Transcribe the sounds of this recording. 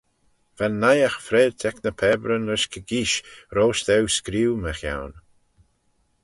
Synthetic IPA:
v̥anːajaxfɾeːdt̪ʰɛknəpʰɛːbɾənɾɪʃkʰəɡiːʃɾoːʃt̪ɛwskɾiːwməxja̰wn

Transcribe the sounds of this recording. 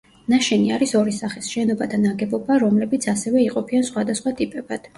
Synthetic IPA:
naʃɛniaɾisɔɾisaχisʃɛnɔbad̪anaɡɛbɔbaɾɔmlɛbit̪sʰasɛvɛiqʼɔpʰiansχwad̪asχwat̪ʼipʼɛbad̪̥

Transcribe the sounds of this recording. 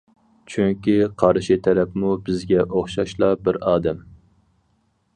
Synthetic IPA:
t͡ʃʰyŋkʲiqʰɑɾʃit̪ʰæɾɛpmubɪzɡʲɛʔoχʃɑʃlˠɑbɪɾɑːd̪ɛm

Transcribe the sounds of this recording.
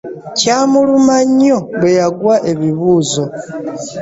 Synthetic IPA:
caːmulumaɲːo̞ɡwejaɡwaʔe̞βiβuːzo̞

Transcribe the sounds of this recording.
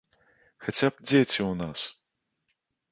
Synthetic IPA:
xat͡sʲap̚d͡zʲet͡sʲiwnas

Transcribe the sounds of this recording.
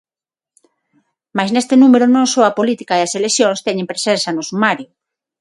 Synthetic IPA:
majznest̪enumeɾʊnõŋsoapolit̪ikaðaseleθjõŋst̪ɛɲẽmpɾesensanʊsumaɾjʊ

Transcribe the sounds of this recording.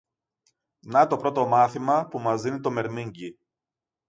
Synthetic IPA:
nɐt̪o̞pɾo̞t̪o̞mɐθimɐpumɐzðinit̪o̞me̞ɾmiɲɟi

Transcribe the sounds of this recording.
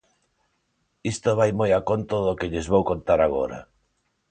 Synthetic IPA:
ist̪oβajmojakont̪oðokeʎezβowkont̪aɾaɣ̞o̰ɾɐ̰

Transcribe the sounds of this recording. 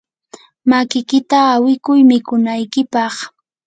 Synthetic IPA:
makɪkɪt̪aːwɪkʊjmɪkʊnajkɪpɑχ

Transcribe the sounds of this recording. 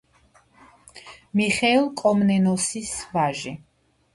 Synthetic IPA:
miχɛːlˠkʼɔmnɛnɔsisvaʒi

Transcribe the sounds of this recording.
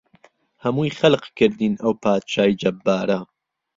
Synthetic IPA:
hɐmuːjxɐlqkɨɾd̪iːnɐwpʰaːt̪ʃaːid͡ʒɐbːaːɾɐ

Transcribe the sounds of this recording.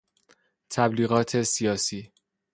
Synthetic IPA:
t̪ʰæbliːɣɒːt̪ʰesijɒːsiː

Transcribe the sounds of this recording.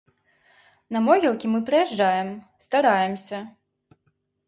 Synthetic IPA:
nɐmɔɣʲɛlˠkʲimɨpɾɐjɛʐd͡ʐajɛm | st̪aɾajɛmsʲɐ

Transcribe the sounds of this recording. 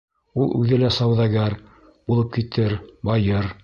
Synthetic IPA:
ulˠʔʉ̰ðɘlæsɑwðɑɡæɾ | b̥ulˠɤp̚kit̪ʰɘɾbɑjɤɾ

